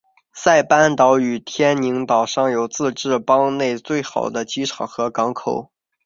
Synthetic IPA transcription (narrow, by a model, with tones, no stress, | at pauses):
sa˥˩ɪpa˥nt̪ɑ˧˥ʊy˨˩t̪ʰjɛ˥ni˧˥ŋt̪ɑ˨˩ʊʂɑ˥˩ŋjo˨˩ʊt͡sɹ̩˥˧ʈ͡ʂɻ̩˥˩pɑ˥ŋne˥˧ɪt͡swe˥˩ɪxɑ˨˩ʊd̪ə˦t͡ɕi˧˥ʈ͡ʂʰɑ˨˩ʊxɤ˧˥kɑ˧˥ŋkʰo˨˩ʊ